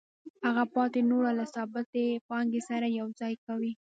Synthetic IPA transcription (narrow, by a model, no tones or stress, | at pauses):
haɣapɑt̪enoɽalasɑbat̪epɑŋɡesaɾajawzɑjkawi